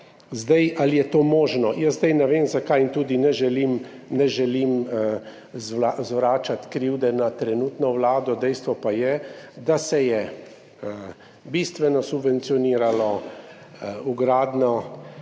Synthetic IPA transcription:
zd̪ajʔalijɛt̪oːmoːʒnɔjəzd̪ajnɛʋeːmzakajint̪uːd̪inɛʒɛlim | nɛʒɛlim | zazʋɾaːt͡ʃat̪kɾiwd̪ɛnat̪ɾɛnuːt̪nɔʋlaːd̪ɔd̪ɛjst̪ʋɔpajɛd̪asɛjɛ | bist̪ʋɛnɔsubʋɛnt̪sijɔniːɾalɔ | uɡɾaːd̪nɔ

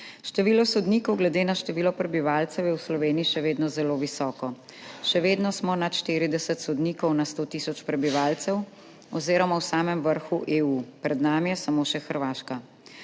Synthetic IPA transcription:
ʃt̪ɛʋiːlɔsɔd̪niːkɔwɡlɛd̪eːnaʃt̪ɛʋiːlɔpɾɛbiʋaːlt̪sɛwjɛwslɔʋeːnijiʃɛʋeːd̪nɔzɛloːʋisɔːkɔ | ʃɛʋeːd̪nɔsmɔnat̪ʃt̪iːɾid̪ɛsɛt̪sɔd̪niːkɔwnast̪oːt̪iːsɔt͡ʃpɾɛbiʋaːlt̪sɛw | ɔ̰wziːɾɔmawsaːmɛmʋəɾxuʔeːuːpɾɛd̪naːmijɛsamoːʃɛxəɾʋaːʃka

